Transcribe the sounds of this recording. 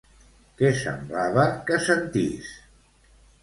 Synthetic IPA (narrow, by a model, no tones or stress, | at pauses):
kɛsə̰mblaβəkəsənt̪ḭs